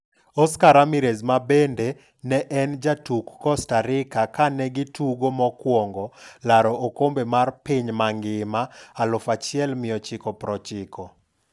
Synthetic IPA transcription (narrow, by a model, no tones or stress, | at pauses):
ɔskaɾamiɾezmabende | nɛʔɛnd͡ʒatukːɔstaɾɪkakanɛɡɪtʰuɡomɔkwɔŋɡɔlaɾɔokombemarpiɲmaŋɡɪmaːlʊfat͡ʃɪɛlmɪjɔt͡ʃɪkɔpɾɔt͡ʃɪkʰɔ